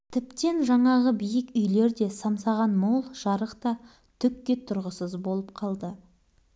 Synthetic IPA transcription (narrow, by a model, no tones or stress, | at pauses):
t̪ʰɪp̚t̪e̞nʒɑɴɑʁəbijɪkʏjle̞ɾd̪e̞sɑmsɑʁɑnmolˠʒ̥ɑɾəqt̪ɑ | t̪ʰʏkːʲe̞t̪ʰʊɾʁəsəzbo̞lˠəp̚qʰɑlˠd̪ə